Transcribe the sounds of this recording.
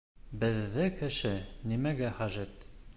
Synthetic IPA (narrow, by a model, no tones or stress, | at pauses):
bɘ̆ðːɘkɘ̆ʃɘnimæɡæχæʒɘt̪